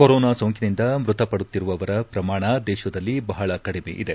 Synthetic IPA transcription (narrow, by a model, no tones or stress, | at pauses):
koɾoːnaːsoːŋkinind̪ɐmɾut̪ɐpɐɽut̪ːiɾuʋɐʋɐɾɐpɾɐmaːɳɐd̪ɛːʃɐd̪ɐlːibɐɦɐɭɐkɐɽimḛːʔid̪e̞